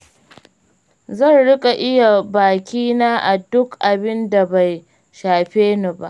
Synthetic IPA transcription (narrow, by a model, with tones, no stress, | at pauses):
zɐ˦˨nɽɪ˦kʼa˨ʔɪ˦ja˨baː˨kʲiː˦naː˦ʔa˨dʊ˦kʔa˨bɪ˦nda˨ba˨j | ʃaː˨ɸeː˦nu˨ba̰˦ʔ